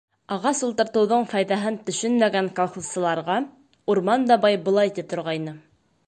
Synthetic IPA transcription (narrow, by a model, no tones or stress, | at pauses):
ɑʁɑsulˠt̪ɤ̆ɾt̪ɤ̆wðoɴfɑjðɑɦɤnt̪ɵ̆ʃɵnmæɡæŋkolˠχussɤ̆lˠɑɾʁɑ | uɾmɑnd̪ɑbɑjbŏlˠɑjt̪it̪ŏɾʁɑjnɤ